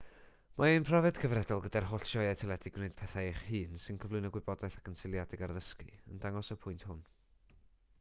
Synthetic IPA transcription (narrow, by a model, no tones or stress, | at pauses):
maenpʰrɔvɛd̥kʰəvrɛdɔlˠɡədarhɔɬʃɔɛtʰɛlˠɛdɪɡwneɨd̥̚pʰɛθaɪχhɨːnsɨnkʰəvlʊɨnəɡwɨbɔdajθakʰənsɪlˠjadɪɡarðəskiə̰ndaŋɔsəpʰʊɨntʰhʊn